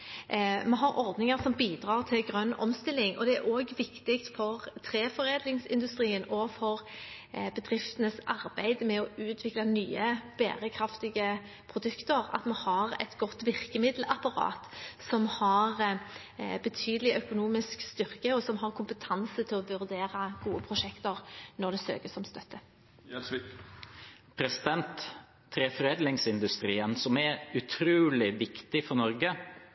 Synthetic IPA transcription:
mɛɦɑɾʔɔʁd̪nɪŋəʁsɔmbiːd̪ʁɑːʁt̪ʰɪlɡʁœnːɔ̰mst̪ɪlːɪŋʔɔ̰d̪ɛæʁoːɡʋɪkt̪ɪkt̪fɔʁt̪ʰʁeːfɔɾeːd̪lɪŋsɪ̰nd̪ʉst̪ʁiːənɔːfɔʁ | bəd̪ʁɪft̪ənəsɑɾbæɪd̪mɛɔʉːt̪ʰʋɪklɑnyːəb̥æ̰ːɾəkʰɾɑft̪ɪɡə | pʰʁʊd̪ʉkt̪əʁɑ̰t̪mɛhɑɾɛ̰t̪ɡɔt̪ːʋɪʁkəmɪd̪l̩ʔɑpɑʁɑ̰ːt̪sɔmhɑʁ | bət̪ʰyːd̪əlɪʔœkʊnuːmɪskst̪ʏʁkəɔsɔmɦɑʁkʰʊmpət̪ʰɑnsət̪ʰɪlɔʋʉʁd̪eːɾəɡuːəpʰʁʊʂɛkt̪əʁnɔʁd̪ɛsø̰ːkəsɔmst̪œt̪ʰːə | pʰɾɛsɪd̪ɛnt̪ʰː | ɾefɔɾeːd̪lɪŋsɪnd̪ʉst̪ɾiːənsɔmɛʉt̪ʰɾʉːlɪʋɪkt̪ɪfɔnɔɾɡə

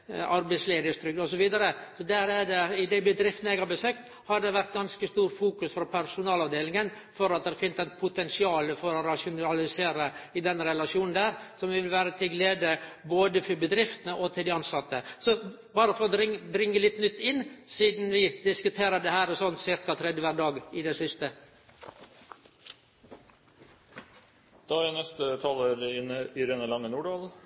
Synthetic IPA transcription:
ʔɑɾbæɪsleːd̪əst̪ɾʏk̪ɔsɔʋiːd̪ɑɾəsɔd̪æɾæɖɛɪd̪æɪbəd̪ɾɪft̪ənɛɡhɑɾbəsøːkt̪ | hɑɖɛʋæɾt̪̚ɡɑnskəst̪uːɾfuːkʉsfɾɔpʰæɾʂʊnɑːlɑʋd̪eːlɪŋən | fɔɾɑt̪̚d̪ɛɾfɪnəsɛt̪pʰʊt̪ʰɛnsɪɑːləfɔɾɔɾɑʂʊnɑlɪseːɾəɪd̪ɛnːɾɛlɑʂuːnn̩d̪æːɾsɔmʋɪʋɪlʋæːɾət̪ʰɪlɡleːd̪əboːd̪əfɔɾbəd̪ɾɪft̪nəʔɔt̪ʰɪld̪ɪɑnsɑt̪ːəsɔ | bɑːɾəfɔɾɔɾɪŋb̪ɾɪŋːəlɪt̪ːnʏt̪ːɪnːsiːd̪n̩ʋɪd̪ɪskʉt̪ʰeːɾəd̪ɛhæːɾɛsɔnsɪɾkɑt̪ʰɾɛd̪jəʋæːɾɖ̪ɑːɡɪd̪ɛsʏst̪ə | d̪̥ɑːænɛst̪ət̪ʰɑləɾɪɪɾɛnəlɑŋːənuːɖɑːl

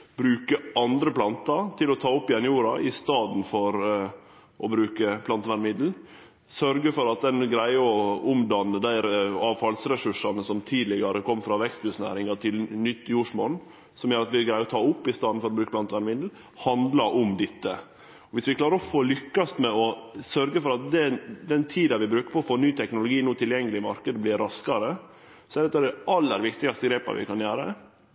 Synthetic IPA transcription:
bɾʉːkəɑnd̪ɾəplɑnt̪ɑɾt̪ʰɪlɔt̪ʰɑːʊpːɪɛnjuːɾɑʔɪst̪ɑːd̪n̩fɔɾ | ʔɔbɾʉːkəpʰlɑnt̪əʋænmɪd̪l̩ | sœɾɡəfɔɾɑt̪̚d̪ɛnɡɾæɪɔʊmd̪ɑnːəd̪æɪɾɑːʋfɑlsɾɛsʉʂɑnəsɔmt̪ʰiːd̪lɪɡɑɾəkʰɔmːfɾɑʋɛkst̪bʉsnæ̰ːɾɪŋɑt̪ʰɪlnʏt̪ːjuːʂmɔn | sɔmjøːɾɑt̪ʋɪɡɾæɪɔt̪ʰɑːʊpːɪst̪ɑːd̪nfɔɾɔbɾʉːkəblɑnt̪ʰʋænʋɪnd̪l̩ | hɑnd̪lɑɾʔʊmd̪ɪt̪ːə | ɔʋɪsʋɪklɑːɾəɾɔfoːlʏkːɑst̪mɛɔsœɾɡəfɔɾɑt̪̚d̪ɛd̪ɛnt̪ʰiːd̪ɑʋɪbɾʉːkəpʰɔfoːnyːt̪ʰɛknʊlʊɡiːnuːt̪ʰɪljɛŋːəlɪmɑɾkəd̪əblɪɾɑskɑɾə | sɔɛæɾd̪ɛt̪ːɑd̪ɛʔɑlːəɾʋɪkt̪ɪɡɑst̪əɡɾeːpɑ̰ʋɪ̰kʰɑnjæːɾə̰

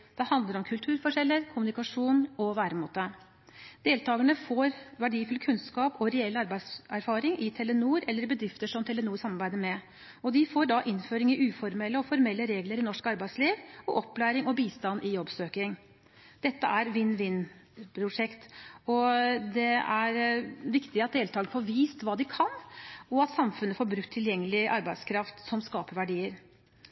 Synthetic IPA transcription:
d̪̥ɛhɑnd̪əɾɔmkʰʉlt̪ʰʉːɾfɔʂɛlːəɾkʰʊmʉnɪkɑʂuːnɔʋæːɾəmuːt̪ə | d̪̥eːlt̪ʰɑːɡəɳəfoːɾʋæɖiːfʉlkʰʉnskɑːpɔɾɛɛlːɑɾbæɪsæɾfɑːɾɪŋɪt̪ʰɛlːənuːɾɛlːəɾbəd̪ɾɪft̪əʂɔmt̪ʰɛlənuːɾsɑmːɑɾbæɪd̪əɾmɛ | ɔd̪ɪfoːɾɖɑʔɪnːføːɾɪŋɪʔʉːfɔɾmɛlːəɔfɔɾmɛlːəɾeːɡləɾɪnɔʂkɑɾbæɪd̪sliːʋɔʔɔpːlæːɾɪŋɔbiːst̪ɑnːʔɪjɔbːsøːkɪŋ | d̪̥ɛt̪ːəæɾʋɪnːʋɪnːpʰɾʊʂɛkt̪ɔd̪ɛæɾʋɪkt̪ɪɑt̪̚d̪eːlt̪ɑːɡənfoːɾʋiːst̪ʋɑːd̪ɪkʰɑnɔɑt̪sɑmfʉnːəfoːɾbɾʉkt̪ʰːɪljɛŋːəlɪʔɑɾbæɪskʰɾɑft̪sɔmskɑːpəɾʋæɖiːəɾ

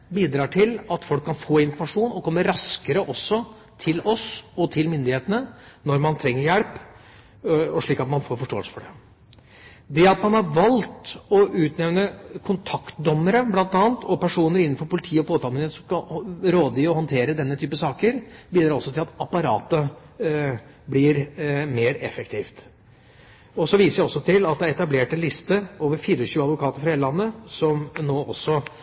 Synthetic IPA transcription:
biːd̪ɾɑːʈʰɪlɑt̪fɔlkʰːɑnfoːɪnfɔɾmɑʂuːnɔkʰɔmːəɾɑskəɾəʔɔsːɔ | t̪ʰɪlɔsɔt̪ʰɪlmʏnd̪ɪheːt̪ənənɔɾmɑnt̪ʰɾɛŋːəɾjælp | ɔʂɭiːkɑt̪mɑnfoːɾfɔʂʈoːəlsə̥fɔɖɛ | d̪ɛɑt̪mɑnhɑɾʋɑlt̪ɔʔʉːt̪nɛʋnəkʰʊnt̪ʰɑkt̪d̪ɔmːəɾəblɑnt̪ɑːnt̪ʰɔpʰæʂuːnəɾɪnːn̩fɔɾpʊlɪt̪ʰiːəɔpʰoːt̪ɑːlmnsɔmɑɾoːd̪əɪɔhɔnt̪ʰeːɾəd̪ɛnːət̪ʰyːpəsɑːkəɾbiːd̪ɾɑɾɔsːɔt̪ɪlɑt̪ɑpɑɾɑ̰ːt̪ə | blɪɾmeːɾɛ̰fɛk̚t̪ʰɪːft̪ | ɔsɔʋiːsəɾɔsːɔt̪ʰɪlɑt̪̚d̪ɛæɾɛt̪ɑbleːʈɛnlɪst̪əoːʋəɾfiːɾəɔɕʉːəɑd̪ʋʊkʰɑːt̪əɾfɑheːləlɑnːəsɔmnoːʔɔ̰sːɔ

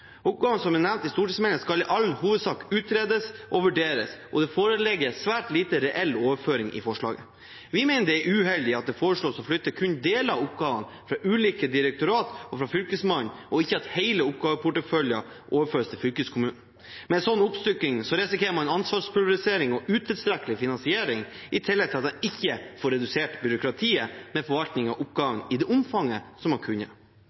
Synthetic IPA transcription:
ʊp̚ɡɑːʋənsɔmɛnæʋnt̪ɪst̪uːʈit̪smeːləskɑlɪʔɑln̩huːʋəd̪sɑːkʉːt̪ɾeːd̪əsʔɔʋʉɖeːɾəsɔd̪ɛfoːɾəlɛɡːəsʋæːʈliːt̪əɾɛʔɛlːoːʋəføːɾɪŋɪ̰fɔʂɭɑ̰ːɡə̰ | ʋɪmæɪnəd̪ɛɛɾʉːɦɛld̪ɪɑt̪̚d̪ɛfoːɾəʂɭoːsɔflʏt̪ːəkʰʉnd̪eːləɑʊpɡɑːʋə̰n | fɾɑʔʉːliːkəd̪ɪɾɛk̚t̪ʊɾɑːt̪ɔfɾɑfʏlkəsmɑnʔɔɪçːəɑt̪heɪləʊp̚ɡ̥ɑːʋəpʰʊʈəfœljə | ʔoːʋəɾføːɾəst̪ʰɪlfʏlkəskʰʊmʉːnn̩ | mɛsɔnːʊpst̪ʏkːɪŋsɔɾɛsɪkeːɾəmɑnɑnsʋɑːʂpʰɾɪɑɾɪseːɾɪŋɔʉːt̪ʰəst̪ɾɛkːəlɪfɪnɑnsɪeːɾɪŋɪt̪ʰɪlːɛt̪ʰɪlɑt̪̚d̪ɛnɪçːəfɔːɾːɛd̪ʉseːʈbʏɾʊkɾɑt̪ʰiːəmɛfɔɾʋɑlt̪nɪŋɑʔʊpɡɑŋŋɪd̪ɛʔʊmfɑŋːəsɔmhɑkʰʉɲːə̰

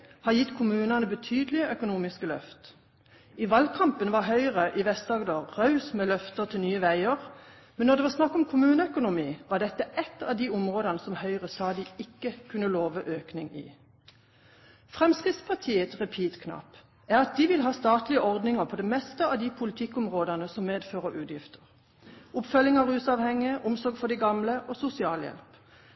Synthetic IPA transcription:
hɑjɪt̪ːkʰʊmʉːnɑnəbət̪ʰyːd̪lɪəʔœkʊnuːmɪskəlœ̰ft̪ | iːʋɑlkʰɑmpənʋɑɦœʏʁəʔiʋɛst̪ɑːɡd̪oːʁʁɑʉsmɛːlœft̪ət̪ʰɪlnyːəʋæɪəʁ | mɛnːɔʁd̪ɛʋɑːsnɑkːɔmkʰʊmʉːnəœkʊnʊmiːʋɑːɖ̪ɛt̪ːəɛt̪ːɑ̰ʋd̪iʊmʁoːd̪ɑnəsɔmhœʏʁəsɑːd̪ɪɪkːəkʰʉnːəloːʋəʔøːknɪŋḭː | fʁɛmskʁɪt̪spʰɑʁt̪ʰiːət̪ʁɛpʰiːt̪kʰnɑ̰pː | æʁɑt̪̚d̪iːʋɪlɦɑːst̪ɑːt̪lɪəʔɔʁd̪nɪŋəʁpʰɔːd̪ɛmɛst̪əɑʋd̪ipʰʊlɪt̪ʰɪkːʊmʁoːd̪ənəsɔmːeːd̪føːʁəɾʉːd̪jɪft̪ə̥ʁ | ʊpfœlːɪŋɑʁʉːsɑːʋhɛŋːɪəʔʊmsɔʁɡfɔɖ̪ɪɡɑmləʔoːsʊsɪɑːljɛ̰lp

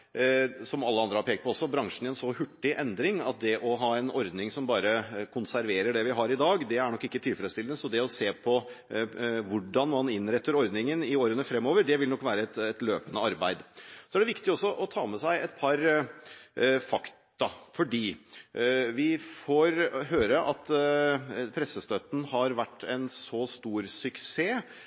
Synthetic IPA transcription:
sɔmɑlːəɑnd̪ɾəhɑɾpʰeːkt̪pɔɔsːɔbɾɑŋʂɳ̩ɪɛnsɔhʉʈːɪʔɛnd̪ɾɪŋɑt̪̚d̪ɛʔɔɦɑːɛnɔɾd̪nɪŋsɔmbɑːɾəkʰʊnsæɾʋeːɾəɖɛʋɪɦɑɾɪd̪ɑːɡd̪ɛæɳɔkːɪkːət̪ʰɪlfɾɛd̪st̪ɪlnəsɔd̪ɛɔseːpʰɔ | ʋʊɖɑnmɑnɪnɾɛt̪ːəɾɔɾd̪nɪŋənɪoːɾənəfɾɛmːoːʋəɾɖɛʋɪlnɔkːʋæːɾəɛt̪ɛt̪løːpənəɑɾbæɪd̪sɔæɖɛʋɪkt̪ɪɔsːɔʔɔt̪ʰɑːmɛsæɪɛt̪pʰɑɾ | fɑkt̪ɑfɔɖiː | ʋɪfɔɾɦøːɾəʔɑt̪ | pʰɾɛsːəst̪øːt̪n̩hɑɾʋæʈːɛnsɔst̪uːɾsʏkseː

